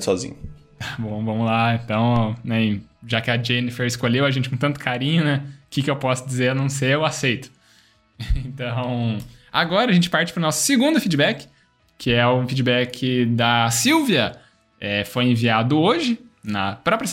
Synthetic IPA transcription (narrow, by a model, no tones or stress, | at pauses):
sɔzḭ̃ɲʊ | t̪ḁbõw̃vɐ̃mʊlaẽnt̪ɐ̃w̃nɛ̃ʒakɪɐd͡ʒenɪfeɾɪskoʎewɐʒẽnt͡ʃɪkõt̪ɐ̃nt̪ʊkaɾĩɲʊnɛkɪkɪewpɔsʊd͡ʒizeɾnɐ̃w̃seʊasejt̪ʊ̥ | ẽt̪ɐ̃w̃a̰ɡɔɾɐʒẽnt͡ʃɪ̥paɾt͡ʃɪpɾʊnɔsʊ̥sɪɡũnd̪ʊfid͡ʒibɛkɪ̥ | kːɪɛʊfid͡ʒibɛkʰɪd̪ɐsiwviɐ | ɛfojẽviad̪ʊoʒɪnɐpɾɔpɾjɐ